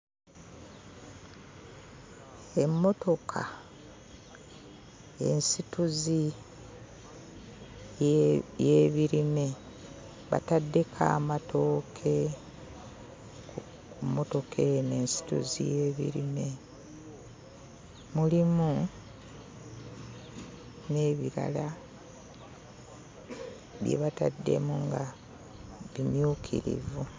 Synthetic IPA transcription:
e̞mːo̞to̞kʰa | e̞̰nsituzi | jjeːβiɾime̞ | βa̰tadːe̞kʰa̰ːmatʰo̞ːkʰe̞ | umo̞to̞kʰe̞neːnsi̥tṵzḭje̞ːβḭɾime̞ | mulimu | ne̞ːβiɾa̰la | βjḛβata̰dːe̞̰muŋɡa | βimjukʰḭɾḭvu

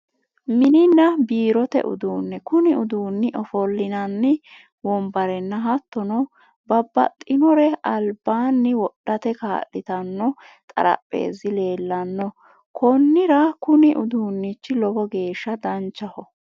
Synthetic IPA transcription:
mɪnɪnːɐbiːɾɔt̪ɛ̰ʔʊ̰d̪uːnːɛkʊnɪʊd̪uːnːɪʔɔfɔlːɪnɐnːɪ | wɔmbɐɾɛnːɐɦɐt̪ːɔnɔ | bɐbːɐ̰t̪ʼːɪnɔɾɛɐlbaːnːɪwɔɗːɐt̪ɛka̰ːʔːɪt̪ɐnːɔ | t̪ʼɐ̰ɾɐ̰pʼːe̞̰ːzɪle̞ːlːɐnːɔ | kʰɔnːɪɾɐkʊnɪʔʊd̪uːnːɪt͡ʃːɪlɔbɔɡe̞ːʃːɐd̪ɐnt͡ʃːɐhɔ

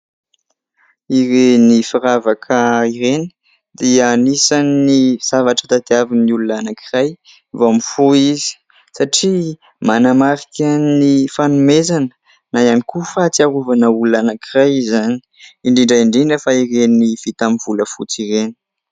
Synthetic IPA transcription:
iɾenifiɾavakʰəiɾeni̥ | d̪iənisaniz̥avaʈ͡ʂət̪ad̪eaviniulunanakʰiraj | vomifoizi̥ | saʈ͡ʂi | manamaɾikʲənifanumezanə̥ | najanikufat͡siaɾuvanəuluanakirajzaniiɳɖ͡ʐiɳɖ͡ʐaiɳɖ͡ʐiɳɖ͡ʐəfaiɾeniv̥it̪amiv̥uləfut͡siɾeni̥

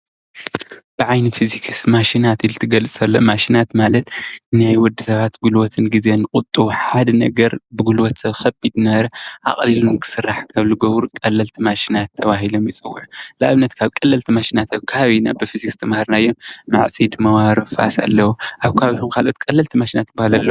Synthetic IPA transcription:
b̥ɨʕajnifizikʰsmaʃinat̪ilt̪ʰɨɡɐlɨsʼɐlːomaʃinat̪malɐt̪najwɔd̪ːɨsɐβat̪ɡulwɔt̪ʰɨnɡize̞nɨkʼʊt̪ʼːuħad̪ɐnɐɡɐɾbɨɡulwɔt̪sɐβxɐbid̪nɐβɐɾɐʔa̰χʼlilunkʰɨ̥sɨrːaħkʰɐβluɡoβɾukʼɐlːɐlt̪ʰimaʃinat̪ʰːɐβaɦilo̞mjɪt͡sʼɨwːʕulɨaβnɐt̪kʰaβkʼɐlːɐlt̪ʰimaʃinat̪ʰaβkʰɐhaβina̰bɨfizikst̪ʰɐmahaɾnajːomma̰ʕt͡sʼid̪mɐwaɾɨfa̰sa̰lːɐwuʔaβkʰaβit̪ʰumkʰalʔo̞t̪̚kʼɐlːɐlt̪ʰimaʃinat̪ːbahalalːɐw

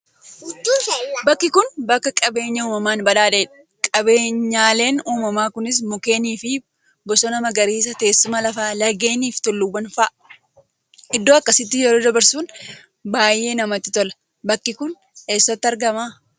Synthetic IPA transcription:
bɐkːɪkʊnbɐkːɐkʼɐbe̞ːɲːɐuːmɐmaːnbɐᶑaːᶑɐeᶑɐ̥ | kʼɐbe̞ːɲːaːle̞ːnuːmɐmaːkʊnɪs̬mʊke̞ːniːfɪ | bɔsɔnɐmɐɡɐɾiːs̬ɐt̪e̞ːsːʊmɐlɐfaːlɐɡe̞ːniːft̪ɔlːʊwːɐnfɐːʔ | ʔɪd̪ːoːɐkːɐsɪt̪ːɪjɛɾo̞ːd̪ɐbɐɾsuːn | baːjːe̞ːnɐmɐt̪ːɪt̪ɔlɐ̥ | bɐkːɪkʊn | eːsːɐt̪ːɪɐɾɡɐmaː

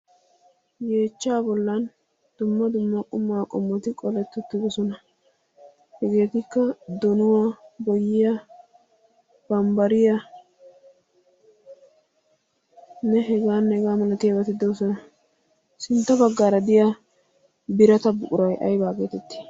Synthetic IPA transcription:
je̞ːt͡ʃːaːbɔlːɐn | d̪̥ʊmːɐd̪ʊmːɐkʼʊmːaːkʼɔmːɔt̪ɪkʼɔlɛt̪ːɛt̪ːɪd̪ɔsɔnɐ | hɛɡe̞ːt̪ɪkːɐd̪ɔnʊwaːbɔjːɪja | b̥ɐmbɐɾɪja | nɛɦɛɡaːnːɛɛɡaːmɐlɐt̪ɪjɐbɐt̪ɪd̪ɔsɔnɐ | sɪnt̪ːɐbɐɡːaːɾɐd̪ɪja | bɪɾɐt̪ɐbʊkʼʊɾɐjʔɐ̰jbaːɡeːt̪ɛt̪ːɪ̥

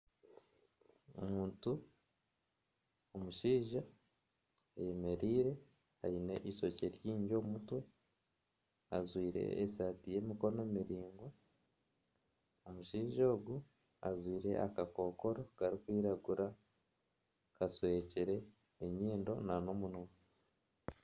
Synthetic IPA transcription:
o̰muːntu | omuʃiːʒa | ajeme̞ɾiːɾe̞ | a̰ine̞̰ʔiso̞ceɾjiːɲɟo̞ːmutwe̞ | a̰zwiːɾe̞̰esatije̞ːmiko̞ne̞miɾiːŋɡwo | omuʃiːʒo̞ːɡu | a̰zwiːɾe̞̰ʔa̰kako̞ːko̞ɾo̞ɡ̥aɾikwiːɾaɡuɾa | kaswe̞ːciɾe̞ː | ɲiːndo̞̰nano̞munoːn

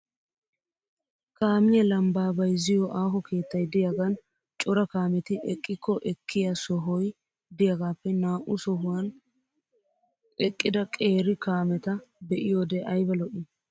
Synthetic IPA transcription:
kaːmɪjɐlɐmbaːbɐjzɪjɔʔaːɦɔke̞ːt̪ːɐjd̪ɪjaɡɐn | t͡ʃʼɔɾɐkaːmɛt̪ɪʔɛkʼːɪkːɔʔɛkʰːɪjasɔɦɔj | d̪ɪjaɡaːpːɛnaːʔʊsɔɦʊwɐn | ɛkʼːɪd̪ɐkʼe̞ːɾɪkaːmɛt̪ɐbɛʔɪjoːd̪ɛʔɐjbɐlɔʔɪ

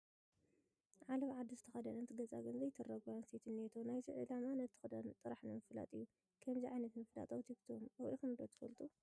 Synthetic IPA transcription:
ʕalɐβʕad̪izɨt̪ʰɐxɐd̪ɐnɐt̪ʰɡɐzʼa̰ɡɨnzɐjt̪ʰɐɾɐɡanset̪ʰɨnːet̪ʰonajziʕɨ̰lamanɐt̪ʰːɨ̥xɨd̪ɐnt̪ʼɨɾaħnɨmɨfla̰t̪ʼɨjːu | kʰɐmziʕajnɐt̪mɨfla̰t̪ʼɐwt̪ʰikt̪ʰomɐwʔḭxɨmɨd̪ot̪ʰɨfɐlt̪ʼu

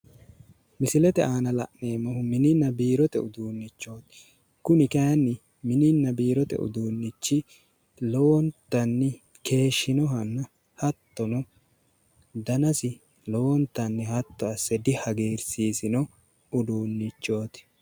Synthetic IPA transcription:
mɪsɪlɛt̪ɛʔaːnɐlɐ̰ʔne̞ːmɐhʊmɪnɪnːɐbiːɾɔt̪ɛʊd̪uːnːɪt͡ʃːo̞ːt̪ | kʊnɪkɐjɐnːɪ | mɪnɪnːɐbiːɾɔt̪ɛ̰ʊ̰d̪uːnːɪt͡ʃːɪ | lɔwɔnt̪ːɐnːɪ | ke̞ːʃːɪnɔɦɐnːɐ | hɐt̪ːɔnɔ | d̪ɐnɐsɪ | lɔwɔnt̪ːɐnːɪhɐt̪ːɔɐsːɛd̪ɪhɐɡeːɾsiːsɪnɔ | ʊd̪uːnːɪt͡ʃːo̞ːt̪

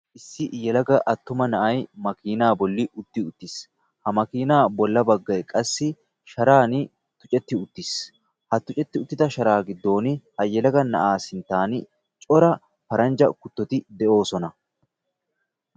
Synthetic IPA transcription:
ʔɪsːɪjɛlɐɡɐʔɐt̪ːʊmɐnɐʔɐjmɐkiːnaːbɔlːɪʔʊt̪ːɪʊt̪ːɪs | hɐmɐkiːnaːbɔlːɐbɐɡːɐjkʼɐsːɪ | ʃɐɾaːn | t̪ʊ̥t͡ʃʼɛt̪ːɪʊt̪ːɪs | hɐt̪ʊt͡ʃʼɛt̪ːɪʊt̪ːɪt̪ɐʃɐɾaːɡɪd̪ːo̞ːnhɐjɛlɐɡɐnɐ̰ʔaːsɪnt̪ːaːn | t͡ʃʼɔɾɐ | pɐɾɐnd͡ʒɐkʊt̪ːɔt̪ɪd̪ɛʔo̞ːsɔnɐ

